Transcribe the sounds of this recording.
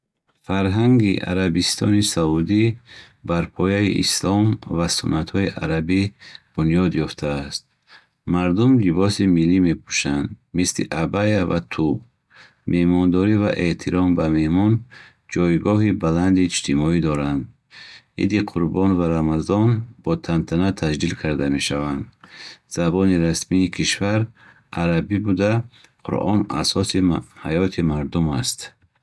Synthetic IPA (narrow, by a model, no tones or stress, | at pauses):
faɾɦaŋɡḭʔa̰ɾabist̪ʰɔ̰nisaud̪i | baɾpʰɔjaḭʔḭslɔmvasṵnːat̪hɔiʔaɾabib̥unjɔd̪jɔft̪ʰaːst̪̚ | maɾd̪umlibɔsimilːime̞pʰu̥ʃand̪mislḭʔabajava̰t̪ʰub | me̞hmɔnd̪ɔɾiva̰ʔe̞t̪ʰiɾɔmbame̞hmɔn | d͡ʒɔjɡɔɦibaland̪iːd͡ʒt̪ʰimɔid̪ɔɾand̪ | hḭd̪iqʰuɾbɔnvaɾamazɔnb̥ɔt̪ʰant̪ʰanat̪ʰad͡ʒd̪ilkʰaɾd̪ame̞ʃavand̪z̥abɔniɾasmiːkʰiʃvaɾ | ʔaɾabibud̪a | qʰṵɾʔɔ̰na̰sɔsihajɔt̪ʰimaɾd̪umast̪